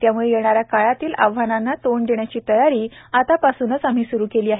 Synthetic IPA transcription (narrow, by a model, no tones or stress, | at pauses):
t̪jamuɭejeɳ̃aɾjakaɭat̪iːla̰ʋ̤ananːat̪oɳd̪eɳjat͡ɕiːt̪əjaɾiː | at̪apasuːnət͡sam̤iːsuɾuːkeliːaɦe